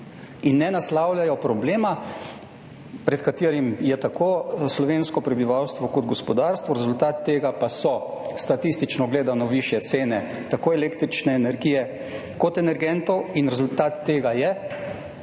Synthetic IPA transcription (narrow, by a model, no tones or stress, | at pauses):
inːɛnaslaːwljajɔpɾɔbleːma | pɾɛt̪kat̪eːɾimjɛt̪akoːslɔʋeːnskɔpɾɛbiʋawst̪ʋɔkɔd̪ɡɔspɔd̪aːɾst̪ʋɔɾɛzult̪aːt̪ːeːɡapasɔst̪at̪ist̪it͡ʃnɔɡleːd̪anɔʋiʃjɛt̪seːnɛ | t̪akoːɛleːkt̪ɾit͡ʃnɛːnɛɾɡiːjɛ | kɔt̪ɛnɛɾɡɛnt̪ɔwinɾɛzult̪aːt̪ːeːɡajɛ